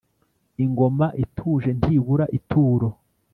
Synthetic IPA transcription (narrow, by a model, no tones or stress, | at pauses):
iŋɡo̞maʔitʰuːʒe̞n̥tiβuɾaʔitʰuːɾo̞